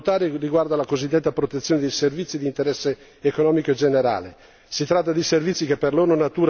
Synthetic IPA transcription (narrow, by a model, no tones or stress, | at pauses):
t̪aːɾiriɡward̪alakozid̪ːet̪ːapɾot̪et̪sːjoːned̪ejservit̪sːid̪int̪eɾɛsːeː | konɔːmikoed͡ʒeneɾa̰ːle | sit̪ɾat̪ːad̪iservit̪sːikepːerloːɾnonat̪uːɾ